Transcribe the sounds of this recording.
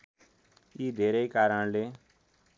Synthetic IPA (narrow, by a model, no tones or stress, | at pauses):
iːd̪ʱeːɾəikaːɾəɳ̃leː